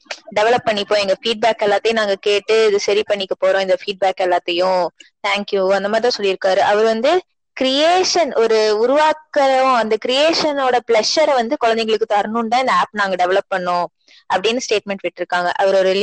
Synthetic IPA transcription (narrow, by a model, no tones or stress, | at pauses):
ɖɛʋɛɭɐpːɐɳːɪpːõːɛŋɡɐfiːɖ̚baːkɛlːaːt̪ːɐjʊ̃naːŋɡɐkeːʈːɯɪðɯsɐɾipɐɳːɪkːɐpoːɾõːɪnd̪ɐfiːɖ̚baːkɛlːaːt̪ːɐjʊ̃t̪ʰaːŋkjuɐnd̪ɐmaːɾɪt̪ãːsɔlːɪɾɯkːaːɾɯʔɐʋɐɾʋɐnd̪ɯ | kɾɪjeːʂɐnʔɔɾɯʊɾʊʋaːkːɐɾɐʋʊ̃ɐnd̪ɐkɾɪjeːʂɐnoːɽɐpɭɛʂɐɾɛʋɐnd̪ɯkɔɻɐnd̪ɛɪŋɡɐɭɯkːɯt̪ɐɾnʊnɖãːɪnd̪ɐaːpnaːŋɡɐɖɛʋɛɭɐpːɐɳːõː | ɐpːɐɽɪnːɐsʈeːʈ̚mɛɳʈʋɪʈːɪɾɯkːaːŋɡɐ̰ʔɐʋɐɾɔɾ